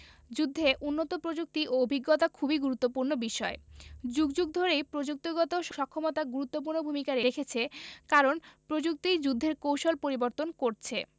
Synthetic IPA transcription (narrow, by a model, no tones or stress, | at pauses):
d͡ʑud̪ʱːeʔunːot̪opɾod͡ʑuk̚t̪iʔoobʱiɡːot̪akʰubiɡuɾut̪ːopuɾnobiʃɔed͡ʑuɡd͡ʑuɡ̚d̪ʱoɾejpɾod͡ʑuk̚t̪oɡɔt̪oʃʃɔkʰːomot̪aɡuɾut̪ːop̬uɾnobʱumikaɾeɾekʰet͡ɕʰekaɾonpɾod͡ʑuk̚t̪id͡ʑud̪ʱːeɾkowʃolpoɾiboɾt̪onkoɾt͡ɕʰe